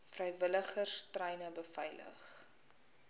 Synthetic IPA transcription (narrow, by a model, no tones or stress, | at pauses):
frɛjvələχərstrɛjnəbəfɛjlə̰χ